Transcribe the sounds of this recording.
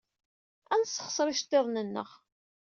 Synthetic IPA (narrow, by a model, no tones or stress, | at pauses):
ænsːə̥χsˤɾˤɪʃt̪ːeðˤnənːə̰ʁ